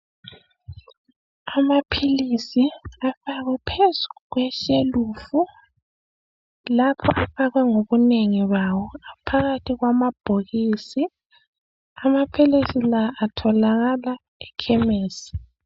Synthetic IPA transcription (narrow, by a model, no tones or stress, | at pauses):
amapʰilisiafaɣwɛpʰezuɣwɛʃeluːfu | lapʰɔ̰ʔafaɣɛŋoβuneŋiβawɔapʰaɣatʰiɣwamab̥ʱoɣisi | amapʰilisilaʔːtʰɔlaɣala | ɛkʰɛmeːsi̥